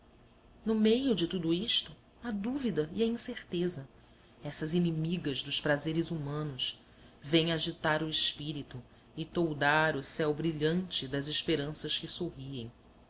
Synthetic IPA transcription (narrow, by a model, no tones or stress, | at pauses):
nʊmejʊd͡ʒɪt̪ud̪uiʃt̪ʊ | ɐd̪uvid̪ɐiɐĩseɾt̪ezɐ | ɛsɐzinimiɡɐzd̪ʊʃpɾazeɾɪzumɐ̃nʊʃ | vẽj̃aʒit̪aɾʊɪʃpiɾit̪u | ɪt̪owd̪aɾʊsɛwbɾiʎɐ̃nt͡ʃɪd̪ɐzɪʃpeɾɐ̃sɐʃkɪsoɦiẽj̃